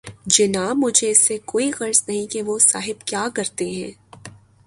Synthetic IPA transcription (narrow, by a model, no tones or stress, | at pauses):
d͡ʒɪnaːmʊd͡ʒʱeɪsːekoːiɣɐɾsnɐɦĩkeʋosaːɦɪbkjaːkɐɾt̪eɦɛ̰̃ː